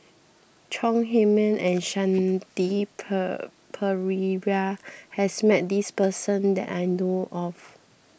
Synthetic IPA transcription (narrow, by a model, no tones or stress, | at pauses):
t͡ʃʰɔ̃ŋɦemə̃nʔɛ̃nʃãnti | pʰəɹiɹahɛsmɛt̚dispəsə̃ndɛ̰ʔajnoʔɔf